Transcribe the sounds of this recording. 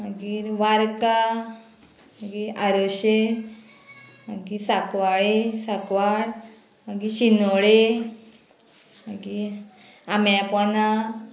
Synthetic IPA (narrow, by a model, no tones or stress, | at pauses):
məɡiːɾʋaɾka | məɡiːɾaɾoɕe | maɡisakʋaɭesakʋaɽ | maɡiɕinoɭe | maɡiːɾ | amapɔna